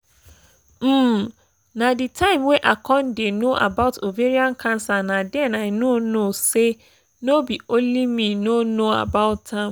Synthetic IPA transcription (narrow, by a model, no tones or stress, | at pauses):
m̩ | nãditʰãɪ̃mweʔakʰɔ̃ndenoʔa̰baʊtʰoveɾiãnkʰãnsanãdɛ̃naɪnõnõse | nobiolĩmĩnonoa̰baʊttʰːãm